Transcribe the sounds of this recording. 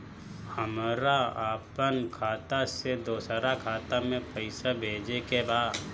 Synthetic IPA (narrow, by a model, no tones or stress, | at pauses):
həmɾaaːpənkʰaːt̪ased̪oːsɾakʰaːt̪amẽpəɪsabʱeːd͡ʒekebaːd̪